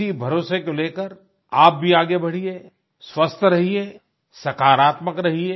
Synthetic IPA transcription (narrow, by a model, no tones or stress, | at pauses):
ibʱɐɾoːsekoleːkəɾ | aːp̚bʱiaːɡebɐɽ̤ie | swɐst̪ʰɾɐɦieː | sɐkaːɾaːt̪məkɾɐɦie